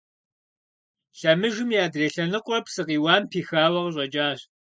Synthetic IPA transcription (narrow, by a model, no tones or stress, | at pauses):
ɬɐmɨʒɪmjaːdreːɬɐnɨqʷʼʊrɐpsɨqiːwɑːmpʰiːxaːwɐʁɕ̬ʷʼɐt͡ʃʼaːɕ